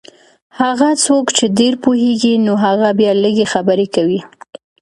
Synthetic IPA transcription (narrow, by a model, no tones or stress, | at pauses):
haɣat͡sokt͡ʃed̪eɾpoɦeɡinoɦaɣabjɑləɡexabəɾekawi